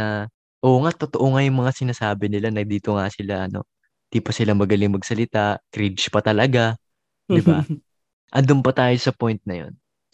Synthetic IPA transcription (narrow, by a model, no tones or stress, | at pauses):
nɐ | ʔo̞ːŋat̪ot̪oʔoŋajʊŋmɐŋasɪnaːsaːbɪnɪlanɐɡ̚d̪iːt̪o̞ŋasɪlaʔɐno̞̰ | d̪̥ipɐsɪlaŋmɐɡɐlɪŋmɐɡsɐlɪt̪akɾit͡ʃpɐt̪ɐlɐɡa | d̪ɪba̰ | ʔɐnd̪ʊmpɐt̪aːjo̞sɐpo̞jnt̪̚nɐjo̞̰n